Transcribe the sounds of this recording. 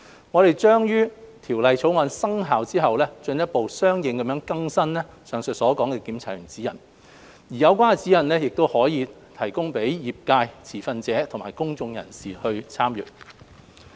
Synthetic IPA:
ŋɔː˨˧ɾe˨jt͡ʃœː˥ŋjyː˥t̪ʰiː˨˩wlɐ˨jt͡sʰo˨˥wŋɔː˨˧nsɐ˥ŋɦaː˨wt͡siː˥ɦɐ˨wlɛː˥t͡ʃɵ˧njɐ˥t̚po˨wsœː˥ŋjɪ˨˧ŋkɐ˨˥mjœː˧˥ŋkɐ˥ŋsɐ˥nlɛː˥ | sœː˨˩ŋsɵ˨t̚sɔː˨˥kɔː˨˥ŋkɛː˧kiː˨˥mt͡sʰaː˨˩jy˨˩ŋt͡siː˨˥jɐ˨˩n | jiː˨˩jɐ˨˧wkʷaː˥nɛ˧t͡si˨˥jɐ˨˩nlɛː˥jɪ˨k̚t̪o˥whɔː˨˥jiː˨˧ | t̪ʰɐ˨˩jkʊ˥ŋpe˨˥jjiː˨p̚kaː˧jt͡sʰiː˨˩fɐ˧nt͡sɛː˨˥t̪ʰʊ˨˩ŋma̰ː˨˩jkʊ˥ŋt͡sʊ˧ŋjɐ̰˨˩nsiː˨˩hɵ˧ɥt͡sʰaː˥mjy̰ː˨˩t̚

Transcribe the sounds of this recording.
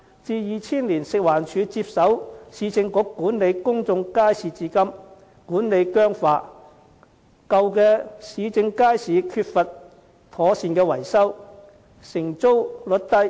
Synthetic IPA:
t͡siː˧jiː˨t͡sʰiː˥nliː˨˩nsɪ˨k̚waː˨˩nt͡ʃʰyː˨˧t͡siː˧˥p̚sɐ˨˥wsiː˨˧t͡sɪ˧ŋkʊ˨˥kːuː˨˥nle˨˧jkʊ˥ŋt͡sʊ˧ŋkaː˥jsiː˨˧t͡siː˧kɐ˥m | kuː˨˥nle˨˧jkœː˥ŋfaː˧ | kɐ˧wkɛː˧siː˨˧t͡sɪ˧ŋkaː˥jsiː˨˧kʰyː˧t̚fɐ˨t̚ | t̪ʰɔː˨˥siː˨˧nkɛː˧wɐ̰˨˩jsɐ˥w | sɪ˨˩ŋt͡so˥wlɵ˨˧t̚t̪ɐ˥j

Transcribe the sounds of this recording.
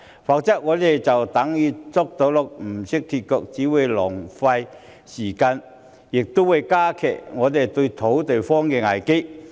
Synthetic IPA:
faː˨˧k̚t͡sɐ˥k̚ŋɔː˨˧t̪e˨jt͡sɐ˨wt̪ɐ˨˥ŋjiː˨˧t͡sɔ˥k̚t̪o˨˧˥wlʊ˨k̚m̩˨˩sɪ˥k̚t̪ʰiː˧t̚kɔ˧k̚t͡siː˨˥wuː˨˧jlɔː˨˩ŋfɐ˧j | siː˨˩kaː˧n | jɪ˨k̚t̪ʊ˥wu˨˧jkaː˥kʰɛ̰ː˨˩k̚ŋɔː˨˧t̪e˨jt̪ɵ˧ɥt̪ʰo˨˥wt̪e˨jfɔː˥ŋkɛː˧ŋa˨˩jke˥

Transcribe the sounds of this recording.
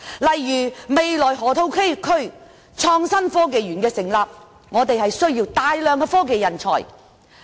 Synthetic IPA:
lɐ˨˩jːyː˨˩me˨jlɔː˨˩jɦɔː˨˥t̪ʰo˧˥wkʰe˥jkʰɵ˥ɥ | t͡ʃʰɔː˧ŋsɐ˥nfɔː˥ke˨jɥyː˨˩nkɛː˧sɪ˨˩ŋlaː˨p̚ | ŋɔː˨˧t̪e˨jɦɐ˨jsɵ˥ɥjiː˧wt̪aː˨jlœː˨˧ŋkɛː˧fɔː˥k̬e˨jːɐ˨˩nt͡ʃʰɔ̰ː˨˩j

